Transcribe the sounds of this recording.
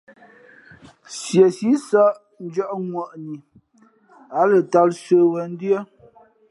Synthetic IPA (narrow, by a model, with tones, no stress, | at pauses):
sjə˨si˨˦sa˦ʔ | n̩˦d͡ʒə˦ʔŋwə˨ʔni˨ | a˨˦lə˨ta˦lsə˨wə˨n̩˦djə˦